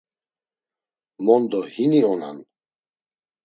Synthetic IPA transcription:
mɔnd̪ɔhiniɔna̰n

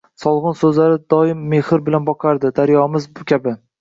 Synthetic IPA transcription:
sɒlˠʁɨnsɵzlaɾɪd̪ɒɪmːe̞hɪɾbɪlanbɒqʰɑɾd̪ɪd̪aɾjɒmɪzbʊkʲʰabɪ

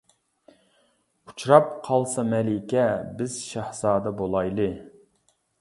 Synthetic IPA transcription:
u̥t͡ʃʰɾɑp̚qʰɑlˠsɑmɛlɪkʲɛbɪz̥ʃæhz̥ɑːd̪ɑbolˠɑjlˠɨ

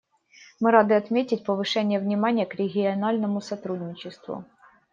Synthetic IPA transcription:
mɨɾad̪ɨɐt̪mʲetʲɪtʲpəvɨʂɛnʲɪjəvnʲɪmanʲɪjəkɾʲɪɡʲɪɐnalʲnəmʊsɐt̪ɾudʲnʲɪt͡ɕɪst̪vʊ̰

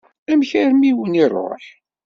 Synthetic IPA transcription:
æmçæɾmiwənirˤo̰ħ

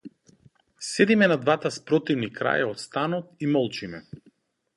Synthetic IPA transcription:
sɛd̪imɛnad̪vat̪aspɾɔt̪ivnikɾa̰jaɔt̪st̪anɔt̪imɔlˠt͡ʃimɛ̰

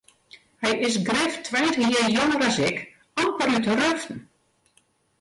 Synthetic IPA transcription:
hɛjɪsɡrɪftʰʋɛjntəxjɪːjoŋəɾasɪk | ɔmpəɾytərøftn̩

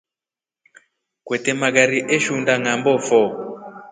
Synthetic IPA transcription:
kwɛtɛmaɣaɾiʔɛʃundaŋambɔfɔ

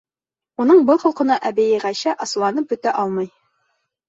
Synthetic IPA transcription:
unɤɴbɤlˠqɤ̆lˠqɤ̆nɑʔæbæjɘʁæɕæʔɑsɤ̆lˠɑnɤp̚bɵ̆t̪æʔɒlˠmɤj

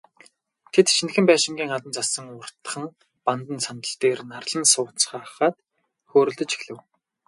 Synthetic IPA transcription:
t̪ʰet̪ʃinxɘ̆mpæːʃɪ̆ŋɡʲiːŋat̪ə̆nt͡sasə̆ŋʊr̥t̪ə̥̆χə̆ŋ | pant̪ə̆nsant̪ə̆ɬt̪eːrnarɮə̆nsʊːt͡sχaːχaːt̪ | xoːɾɵ̆ɮt̪ɵ̆t͡ɕi̥xɮɘ̆w

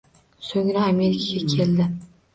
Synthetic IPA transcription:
soŋɾaame̞ɾɪkʲʰaɡʲakʲʰe̞ld̪ɪ

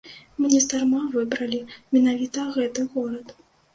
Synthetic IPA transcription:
mɨnʲɛst̪armavɨbɾɐlʲimʲɛnavʲit̪ɐɣɛt̪ɨɣɔɾɐt̪

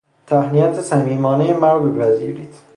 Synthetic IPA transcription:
t̪ʰæhnijæt̪ʰesæmiːmɒːnejemæɾbepæziːɾiːt̪

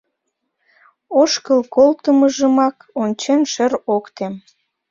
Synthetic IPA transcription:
oʃkəlkolt̪əməʒəmɑk | onʲt͡ɕenʃəɾokt̪em

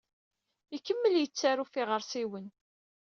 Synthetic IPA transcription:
ikːəmːəljət͡sːaɾufiʁəɾsiwən

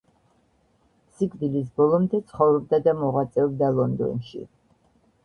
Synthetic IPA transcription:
sikʰd̪ilis̬bɔlˠɔmd̪ɛt̪sʰχɔvɾɔb̚d̪ad̪amɔʁwat̪sʼɛɔb̚d̪alˠɔnd̪ɔ̰nʃḭ

